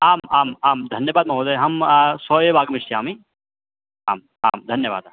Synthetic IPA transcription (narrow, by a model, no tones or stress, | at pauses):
aːmaːmaːmd̪ʱɐnjɐʋaːd̪̚mɐ̃ɦoːd̪ɐɦɐmsoːjebaːɡɐmiʂʈiaːmi | aːm | a̰ːmd̪ʱɐnjəʋa̰ːd̪